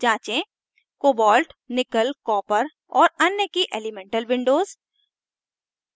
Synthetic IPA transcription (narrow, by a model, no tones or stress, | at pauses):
d͡ʒãːt͡ʃẽ | koːbɔːlʈnɪkəlkɔ̃ːpəɾ | ɔːɾɐnjəkiʔeːlɪmẽːɳʈəlʋɪ̃ɳɖoːz